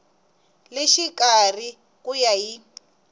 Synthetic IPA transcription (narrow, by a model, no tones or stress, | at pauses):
leʃikari | kujaɦi